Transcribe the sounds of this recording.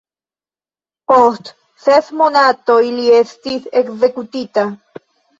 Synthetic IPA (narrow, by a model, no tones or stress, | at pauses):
post̪ | θeθmonat̪oiliest̪iθekzekut̪it̪a